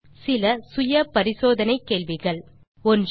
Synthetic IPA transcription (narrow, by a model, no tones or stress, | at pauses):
sɪlɐsʊjɐpɐɾɪsoːðɐnɐɪkːeːɭʋɪɣɐɭ | ɔnd